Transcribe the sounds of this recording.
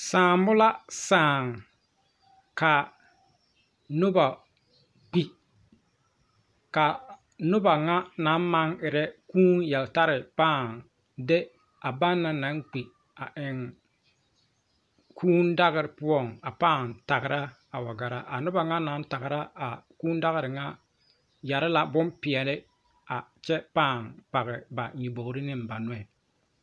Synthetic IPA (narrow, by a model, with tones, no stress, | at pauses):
saː˨mbʊ˦la˦saː˨ŋ | ka˨ | nʊ˦ba˨ | k͡pi˨ | ka˨ | nʊ˦ba˨ŋa˦na˨˦nma˦ŋɪ˨ɾɛ˦kuː˦njɛ˨lta˦ɾɪ˨paː˦˨ŋ | dɪ˦ | a˨ba˦nːa˨na˨˦ŋk͡pi˨ | a˨ʔɪ˨ŋ | kʰuː˦nda˦ɣɪ˨ɾɪ˨pʊ˦ɔ˦˨ŋa˨paː˦˨ŋta˨ɣɪ˨ɾa˦ | a˨wa˨ɡa˨ɾa˦ʔa˨nʊ˦ba˨ŋa˦na˨˦n˦ta˨ɣɪ˨ɾa˦a˨kuː˦n˦da˦ɣɪ˨ɾɪ˨ŋa˦ | ja˨ɾɪ˦la˦bʊ˦mpɪ˨ɛ˨lɪ˦ | a˨t͡ʃɛ˦paː˦˨ŋpa˨ɣɪ˨ba˨ɲi˨bo˨˦ɾɪ˦nɪ˦m˨ba˨nʊ˦ɛ˨